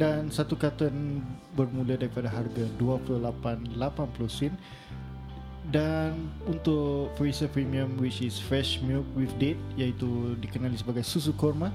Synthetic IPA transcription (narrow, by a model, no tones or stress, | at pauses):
dansat̪ukat̪ənbərmũladaɾipadaɦarɡaduapulolapanlapanplosɪn | danunt̪ʊkfɾisapɾimiəmwit͡ʃɪsfɾɛʃmilk̚wifdet̪̚jait̪udikənalisəbaɡajsus̬ukɔrma